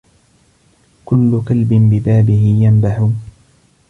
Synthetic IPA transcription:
kʊlːʊkalbɪnbɪbaːbɪɦɪjambaħʊːn

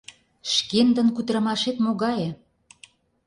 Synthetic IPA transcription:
ʃkend̪ə̆nkyt̪ɾə̆mɑʃet̪moɣɑje

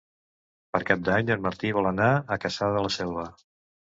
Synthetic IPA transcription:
pəɾkap̚d̪aɲəlməɾt̪iβ̞ɔlˠənaəkəsaðəələsɛlβə

